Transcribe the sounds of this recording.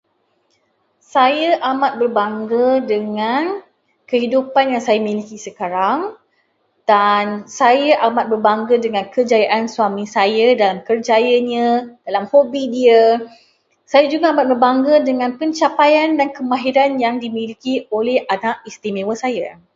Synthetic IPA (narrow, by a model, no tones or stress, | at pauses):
sajəʔamat̪̚bərbaŋɡədəŋãn | kəɦidupanjaŋsajamilikisəkaɾaŋ | d̥ansajaʔamat̪̚bərbaŋɡədəŋãnkəd͡ʒajaʔansuamĩsajadalamkərd͡ʒajəɲãd̥alamhobidiə | sajad͡ʒuɡaamat̪̚bərbaŋɡədəŋãnpəɲt͡ʃapajandankəmãɦiɾanjaŋdimilikiolɛhʔanakist̪imẽwəsaja